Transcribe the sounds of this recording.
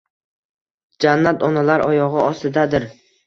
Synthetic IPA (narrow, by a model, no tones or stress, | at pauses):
d͡ʒanːat̪ʰɒnalaɾʔɒjɒʁɨɒst̪ɪd̪ad̪ɪɾ